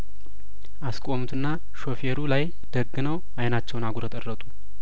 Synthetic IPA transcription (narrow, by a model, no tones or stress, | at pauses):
ʔaskʼomut̪ʰɨnːa | ʃo̞feɾulaj | d̪̥əɡːɨnəw | ajnat͡ʃːɛwnaɡuɾət̪ʼərːət̪ʼu